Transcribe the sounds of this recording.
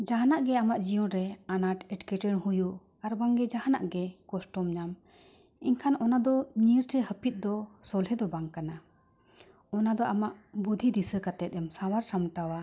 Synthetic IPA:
d͡ʒaɦanaʔɡɛamaʔd͡ʒijɔ̃ɾɛanaʈɛʈkɛʈɛɽhuju | aɾbaŋɡɛd͡ʒaɦana̰ʔɡɛkɔsʈɔmɲam | iɲkʰanɔnad̪ɔɲiɾʈɛhəpit̪̚d̪ɔsɔlɦɛd̪ɔbaŋkana | ɔnad̪ɔʔamaʔbud̪ʱid̪isəkat̪ɛt̪̚ˀɛmsawaɾsamʈawa

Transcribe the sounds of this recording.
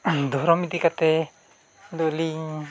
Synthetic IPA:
d̪ɔhɾɔmid̪ikat̪ɛ | d̪oliŋ

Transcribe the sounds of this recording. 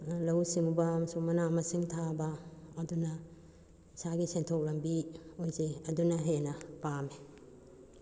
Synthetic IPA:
lɐwsimubɐːmɐsukmɐnamɐsiŋtʰabɐːdunɐ | saɡisentʰok̚lɐmbiojzeɐdunɐɦenɐpame

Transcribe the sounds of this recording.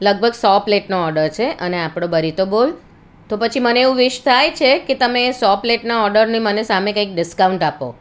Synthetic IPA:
ləɡ̚bʱəɡsɔpleʈnoɔɾɖəɾt͡ʃʰeʔəneapɽ̃obəɾit̪obol | t̪opət͡ʃʰiməneeʋũʋɪʃt̪ʰajt͡ʃʰeket̪əmesɔpleʈnaɔɾɖəɾnimənesamekəik̚ɖɪskawuɳʈapo̰

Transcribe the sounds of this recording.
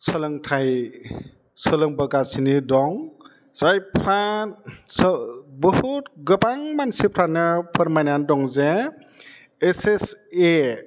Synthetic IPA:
sɔlɯŋtʰaj | sɔlɯŋbɯɡasinidɔŋ | z̥ajpʰɾa | sbɯhutɡɯbaŋmansipʰɾanːɯpʰəɾmajnandɔŋze | esese

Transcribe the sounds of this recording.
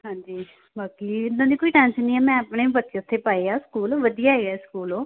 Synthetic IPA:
ɦãːɲd͡ʒiː | bʱaːkiːɪd̪ãːd̪iːkoːiːʈɛ̃ːnsənnĩːɛːmɛ̃ːəpɽeːbət̪ːeːʊt̪ʰːeːpaːeːaːskuːlːʋəd̪ijaːɦeːɡɛːskuːlõː

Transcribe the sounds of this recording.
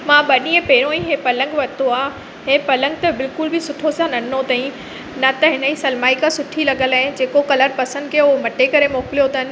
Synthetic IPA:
mãɓɐɗĩːə̃peːɾõĩɦeːpɐlə̃ŋɡʋɐt̪oaː | ɦeːpɐlə̃ŋɡ̚t̪ɐbɪlkʊlbɪsʊʈʰosãnɐnnot̪ɐ̃ĩ | nɐt̪ɐɦɪnəisɐlmaːikasʊʈʰilɐɠəlaːɪ̃d͡ʑeːkokɐləɾpɐsə̃nd̪̚kʰeomɐʈekɐɾemoːkɪlijot̪ɐɦɪnɪ̆

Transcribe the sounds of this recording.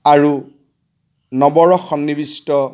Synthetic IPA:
aɹu | nɔbɔɹɔxɔnːibistɔ

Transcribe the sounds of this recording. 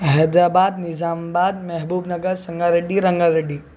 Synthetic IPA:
ɦɛd̪aːbaːd̪̚nɪzaːmbaːd̪mɛɦbuːbnɐɡəɾsɐ̃ŋɡaɾeɖiɾɐ̃ŋɡəɾeɖiː

